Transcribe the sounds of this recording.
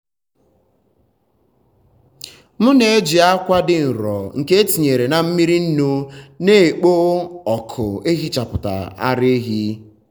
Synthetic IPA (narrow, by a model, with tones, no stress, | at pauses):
mʊ˦ne˨e˦d͡ʒi˨a˦kʷa˦dɪ˦n̩˨ɾɔ̰˨ŋ̩˨ke˦e˦ti˨ɲe˨ɾe˨na˨m̩˦mi˦ɾi˦n̩˦nu˦ne˦˨k͡po˦ɔ˨kʰʊ˨e˦ɦi˦t͡ʃa˨pʊ˨ta̰˨a̰˦ɾe˦e˦ɦi˦